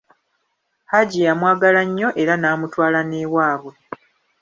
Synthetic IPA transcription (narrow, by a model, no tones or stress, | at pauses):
haɟijamwaːɡalaɲːo̞ʔe̞ɾanaːmutwaːlaneːwaːβwe̞